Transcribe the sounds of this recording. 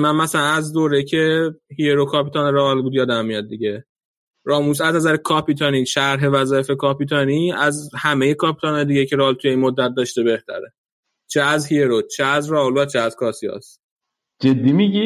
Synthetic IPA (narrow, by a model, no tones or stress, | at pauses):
mænmæsælænæzd̪oːɾejicʰe̞hieɾokʰɒːpʰit̪ʰɒːneɾɒɒlbuːd̪jɒːd̪æmːijɒd̪̚ːiɟe̞ | ɾɒːmus̬æznæzæɾekʰɒːpit̪ʰɒniːʃæɾɦe̞væzɒːjefekʰɒːpit̪ʰɒniæzhæme̞jekʰɒːpʰit̪ʰɒnɒjd̪iːɟecʰe̞ɾɒlt̪ʰujeiːnmod̪ːæt̪̚d̪ɒːʃt̪ebe̞ht̪ʰæ̰ɾe | t͡ʃʰeæzhieɾot͡ʃʰeæzrɒɦolvæt͡ʃʰeæzkʰɒːsiɒ̰s | d͡ʒed̪ːimiɡʲi